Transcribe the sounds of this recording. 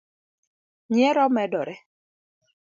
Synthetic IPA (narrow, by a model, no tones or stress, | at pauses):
ɲɛɾɔmɛdɔɾɛ